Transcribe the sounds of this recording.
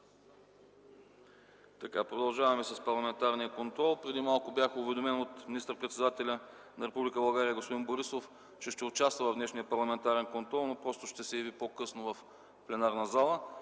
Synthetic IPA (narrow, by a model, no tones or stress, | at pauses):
t̪ɐka̰pɾod̪ɐlˠʒavɐmɛsɐspɐɾlˠɐmɛnt̪aɾnijəkont̪ɾɔlˠpɾɛd̪imalˠkʊbjaxʊvɛd̪omɛnot̪minist̪əɾpɾɛt̪sɛd̪at̪ɛlʲə | nɐɾɛpublʲikəbɐlˠɡaɾʲiəɡospod̪inboɾisof | t͡ʃɛʃt̪ɛʊt͡ʃast̪vəvɐvd̪nɛʃnijəpɐɾlˠɐmɛnt̪aɾɛnkont̪ɾɔlˠnopɾɔst̪ʊʃt̪ɛsɛjɐvipokɤsnʊvɐf | plɛnaɾnɐzalˠə